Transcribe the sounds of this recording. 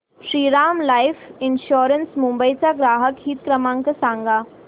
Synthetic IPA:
ʃɾiːɾaːmlaːɪfɪnʃoːɾənsmũmbəit͡saɡɾaːɦəkɦiːt̪̚kɾɐmãːŋkəsãːŋɡaː

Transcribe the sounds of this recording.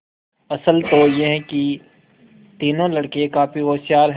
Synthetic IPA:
ɐsəlt̪ojeɦɛ̃ki | t̪iːnõlɐɽkekaːfioːʃjaːɾɦ

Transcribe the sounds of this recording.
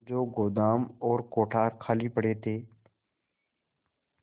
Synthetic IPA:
d͡ʒoːɡoːd̪aːmɔːɾkoːʈʰaːɾkʰaːliːpəɽeːt̪ʰeː

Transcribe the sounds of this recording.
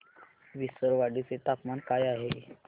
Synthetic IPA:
ʋisəɾʋaɽit͡set̪apmankajaɦe

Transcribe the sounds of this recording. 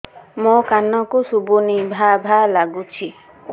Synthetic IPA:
mokanɔkusubunibʱabʱalaɡut͡ʃʰi

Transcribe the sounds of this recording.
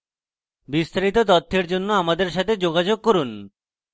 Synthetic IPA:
bist̪ʰaɾit̪ot̪̬ɔt̪ʰːeɾd͡ʑonːoamad̪eɾʃ̬at̪ʰed͡ʑoɡad͡ʑoɡ̚koɾun

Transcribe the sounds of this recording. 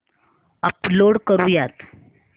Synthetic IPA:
əploɽkəɾũːjat̪

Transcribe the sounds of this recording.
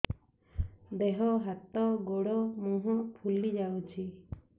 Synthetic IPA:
d̪eɦɔɦat̪ɔɡoɽɔmũɦɔpʰulid͡ʒawt͡ʃʰi

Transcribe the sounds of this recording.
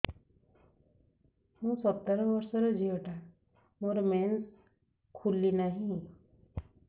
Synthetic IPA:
hũsɔt̪ːəɾbʌɾsɔɾɔd͡ʒʱiəʈa | moɾmen | kʰulːinaɦĩ

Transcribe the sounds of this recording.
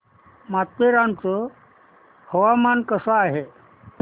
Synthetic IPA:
mat̪ːeɾant͡sə | həʋamankəsaːɦe

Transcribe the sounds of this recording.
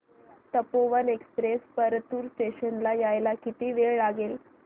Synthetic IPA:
t̪əpoʋənekspɾespəɾt̪uːɾsʈeɕənlajajlakit̪iːʋeɭɭaɡel

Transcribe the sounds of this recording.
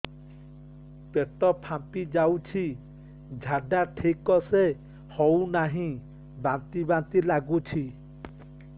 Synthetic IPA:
peʈɔpʰampid͡ʒawt͡ʃʰi | d͡ʒʱaɖaʈʰekɔse | hɔwnaɦĩ | bant̪ibãnt̪ilaɡut͡ʃʰi

